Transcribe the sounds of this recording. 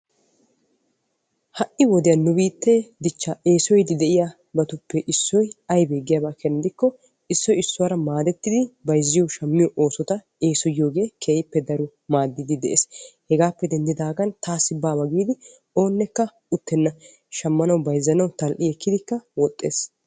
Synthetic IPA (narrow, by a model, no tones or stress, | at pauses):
hɐʔɪwɔd̪ɪjɐnːʊbiːt̪ːed̪ɪt͡ʃːaʔeːsɔjd̪ɪd̪ɛʔɪja | bɐt̪ʊpːɛʔɪsːɔjɐjbeːɡɪjɐːbaːkʰɛnːd̪ɪkːɔ | ɪsːɔjɪsːʊwɐɾɐmaːd̪ɛt̪ːɪd̪ɪbɐjzːɪjɔʃɐmːɪjɔʔo̞ːsɔt̪ɐ | eːsɔjːo̞ːɡe̞ːkʰeːʔɪpːɛd̪ɐɾʊ | maːd̪ːɪd̪ɪd̪ɛʔḛːshɛɡaːpːɛd̪ɛnd̪ɪd̪aːɡɐnt̪aːsːɪbaːbɐɡiːd̪ɪ | o̞ːnːɛkːɐ | ʊt̪ːɛnːɐ | ʃɐmːɐnɐwbɐjzːɐnɐwt̪ɐlʔɪɛkːɪd̪ɪkːɐwɔt̪ʼːeːs